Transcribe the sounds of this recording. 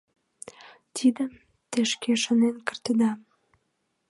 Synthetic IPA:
t̪ʰid̪əm | t̪eʃkeʃonenkə̆rt̪ə̆d̪ɑm

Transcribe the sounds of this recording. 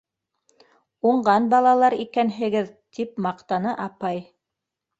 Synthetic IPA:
uɴɢɑnbɑlˠɑlˠɑɾikænɦɘ̆ɡɘðt̪ipmɑqt̪ɑnɤʔɑpɑj

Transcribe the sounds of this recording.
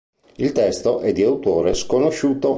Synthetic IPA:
ilt̪ɛst̪oʔɛd̪ːiawt̪oːɾeskonoʃuːt̪o

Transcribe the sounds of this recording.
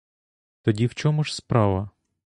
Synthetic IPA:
t̪ɔdʲiwt͡ʃɔmʊʒspɾɑʋɐ

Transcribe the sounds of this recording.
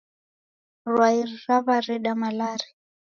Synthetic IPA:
rwairraβaɾiɗamalaːɾi

